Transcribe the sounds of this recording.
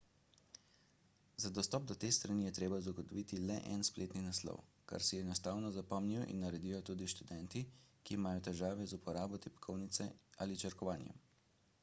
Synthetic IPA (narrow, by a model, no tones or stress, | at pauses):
zad̪ɔst̪ɔːp̚d̪ɔt̪eːst̪ɾanijɛt̪ɾeːbazaɡɔt̪ɔʋit̪ilɛ̰ʔɛnspleːt̪ninaslɔ̰w | ka̰ɾsɛɛnɔst̪aːwnɔzapɔmniwḭnːaɾɛd̪iːjɔt̪uːd̪iʃt̪ud̪ɛnt̪ikiːmaːjɔt̪ɛʒaːʋɛzupɔɾaːbɔt̪ɛpkʰɔwnit̪sɛa̰lit͡ʃəɾkɔʋaːnjɛ̰m